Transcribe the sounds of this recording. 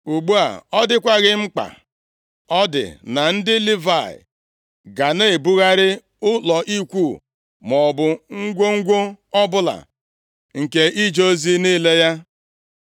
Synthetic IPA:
u˨ɡ͡bu˦a̰˨ɔ˦dɪ˦kʷa˦ɣɪ˦ŋ͡m̩˦k͡pa̰˨ | ɔ˦dɪ̰˨na˨n̩˦dɪ˦li˦va˦˨ɪ̰˨ | ɡa˨ne˦˨e˨bu˦ɣa˦ɾɪ˦ | ʊ˦lɔ˨ʔi˦kʷu˦˨ | mɔ˨bʊ˨ŋ̩˦ɡʷʊ˦ŋ̩˦ɡʷʊ˦ɔ˦bʊ˦la̰˨ | ŋ̩˨ke˦ʔi˦d͡ʒo˦zi˦ni˦le˦ja˦

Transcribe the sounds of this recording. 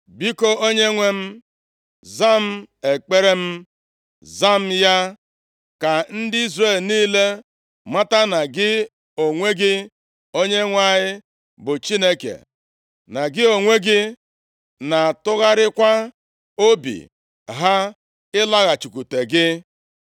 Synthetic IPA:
bi˦ko˦o˦ɲe˦ŋʷe˦m̩˦ | za˦m̩˦e˨k͡pe˦ɾe˦m̩˦ | za˦m̩˦ja˦ | ka˨n̩˦dɪ˦i˦zre˦˨lniː˦le˦ | ma˦ta˦na˨ɡɪ˦ | o˨ŋʷe˦ɡɪ˦ | o˦ɲe˦ŋʷa˦˨ɲɪ˦ | bʊ˨t͡ʃi˦ne˦kḛ˨ | na˨ɡɪ˦o˨ŋʷe˦ɡɪ˦ | na˨tʊ˦ɣa˦ɾɪ˦kʷa˦ | o˦bḭ˨ | ɦa˦ | ɪ˦la˦ɣa˨t͡ʃu˨ku˨te˨ɡɪ˦

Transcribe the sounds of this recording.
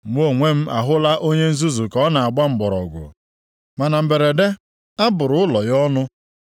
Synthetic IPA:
ŋʷ˦o˦˨ŋʷe˦m̩˦ʔa̰˨ɦʊ˦la˦ʔo˦ɲe˦n̩˦zu˦zu˨kɔ˨˦na˨a˨ɡ͡ba˦ŋ͡m̩˨ɡ͡bɔ˨ɾɔ˨ɡʷʊ̰˨ | ma˨na˨m̩˨be˨ɾe˨de˦ | a˦bʊ˨ɾʊ˨ʊ˦lɔ˨jɔ˦nʊ˦

